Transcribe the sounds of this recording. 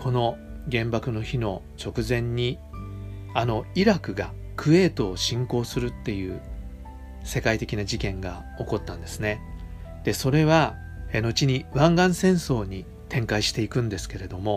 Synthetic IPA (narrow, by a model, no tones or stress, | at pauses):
kʰo̞no̞ | ɡẽ̞mbakɯ̟no̞çino̞ | t͡ɕo̞kɯ̟zẽ̞ɲ̟ːi | ano̞iɾakɯ̟ɡa | kʰɯ̟e̞ːt̪o̞ːɕĩŋko̞ːsɨɾɯ̟t̪ːe̞jɯ̟ː | se̞kait̪e̞kʲinaʑikẽ̞ŋɡa | o̞ko̞t̪ːãnd̪e̞sɨne̞d̪̥e̞so̞ɾe̞βa | no̞t͡ɕiɲ̟iβãŋɡãɰ̃sẽ̞ɰ̃so̞ːɲ̟i | t̪ʰẽ̞ŋkaiɕi̥t̪e̞ikɯ̟̃nd̪e̞sɨ̥ke̞ɾe̞d̪o̞mo̞